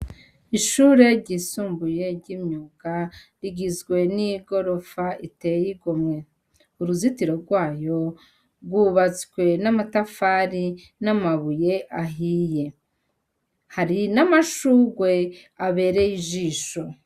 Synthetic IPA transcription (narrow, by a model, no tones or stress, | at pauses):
iʃuɾe̞ɾɟisuːmbuje̞ɾɟimɲuːɡa | ɾiɡizɡwe̞niɡo̞ɾo̞faite̞jiɡomɲe̞ | uɾuzitiɾo̞ɾɡwaːjo̞ | ɡuβat͡skwe̞namatafaːɾi | namaβuje̞ʔaɦije̞ | haɾinamaʃuːɡwe̞aβe̞ːɾe̞jiʒiːʃo̞